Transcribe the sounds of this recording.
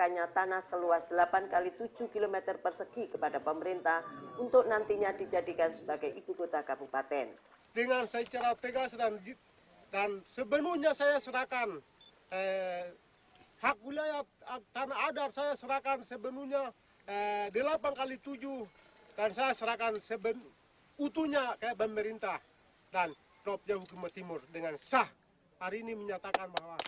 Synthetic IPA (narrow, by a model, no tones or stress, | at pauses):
kaɲat̪anahsəluasd̥əlapankalit̪ud͡ʒuhkilomɛt̪ərpərsəkikəpadapəməɾint̪ahunt̪ʊk̚nant̪iɲadid͡ʒadikansəbaɡajʔibukot̪akabupat̪ɛn | dəŋansajt͡ʃaɾat̪əɡasdand͡ʒ | dansəbənuɲasajasəɾakan | ə | hak̚wiliajat̪anaːdarsajasəɾakansəbənuɲa | ədəlapankalit̪ud͡ʒudansajasəɾakansəbən | ut̪uɲakajapəməɾint̪ah | dan | ɔp̚d͡ʒaɦukumat̪imʊrdəŋansah | haɾiːniməɲat̪akanbaɦwa